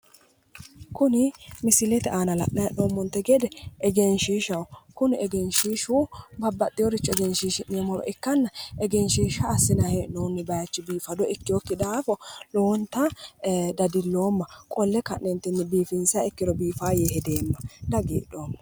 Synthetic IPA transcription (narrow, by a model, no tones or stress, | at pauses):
kʊnɪmɪsɪlɛt̪ɛʔaːnɐlɐ̰ʔnɐjɐnnoːmːɔnt̪ːɛɡed̪ɛɛɡɛnʃiːʃɐwkʊnɛɡɛnʃiːʃubɐbːɐt̪ʼːɪjɔɾɪt͡ʃːɔɛɡɛnʃiːʃɪnːɪjɔmɔlɔ̰ʔɪkːɐnːɐʔɛɡɛnʃiːʃɐːsːɪnɐhenoːnːɪbɐjɐt͡ʃːɪbiːfɐd̪ɔɪkːɪjɔkːɪd̪aːfɔlɔɔnt̪ːɐd̪ɐd̪ɪlːoːmːɐkʼɔlːɛkɐnɛnt̪ːɪnːɪbiːfɪnsɐɛkːɪd̪ɔbiːfaːjehɛd̪eːmːɐd̪ɐɡḭːᶑːo̞ːmːɐ